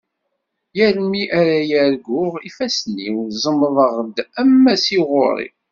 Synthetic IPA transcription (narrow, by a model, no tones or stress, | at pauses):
jæɾmiʔæɾæjæɾɡʊʁifæsliwzˤəmːðˤəʁd̪æmːæsiʁʊ̰ɾˤḭ